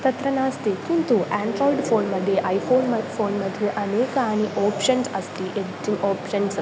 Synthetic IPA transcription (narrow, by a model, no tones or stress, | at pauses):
t̪ɐt̪ɾɐnaːst̪ikint̪uʔaːɳɖɾoːjɖpʰoːnmɐd̪ʱjeʔɐjpʰoːnmpʰoːnmɐd̪ʱjuʔɐneːkɐaːniʔoːpʂɐnsɐst̪iʔetːioːpʃɐns